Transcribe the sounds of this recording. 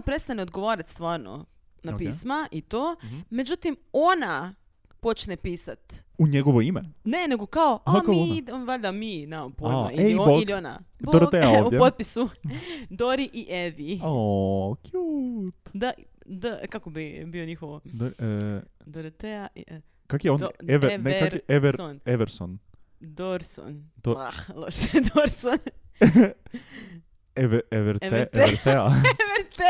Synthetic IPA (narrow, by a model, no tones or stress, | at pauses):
pɾest̪aneod̪ɡoʋoɾat̪st̪ʋaːɾno̰ | nakpiːsmaʔit̪oːme̞d͡ʑut̪imo̞na | po̞t͡ʃnepiːsat̪uɲeɡoʋoimḛne̞ne̞ɡo̞kaoaakamnʋaʎd̪aminaːopojma̰ioiliona̰bd̪oɾeoʋud̪ʲjepot̪̚pisud̪oɾiʔiʔeʋi | kjut̪d̪ɐʔ | d̪ɐkakubebionihod̪oɾiɛd̪oɾit̪ɛɐi | kakiõnd̪d̪eɛveɾnɛkaɾkiɛveɾõnɛveɾsõn | d̪oɾso̰nd̪oalosed̪oɾson | ɛveɛveɾvɛeveɾt̪ɛaveɾt̪e